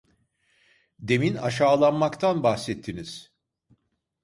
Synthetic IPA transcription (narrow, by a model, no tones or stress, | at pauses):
d̪e̞mina̰ʃaːlˠanmakt̪ʰanbaxsɛt̪ʰːiniz̥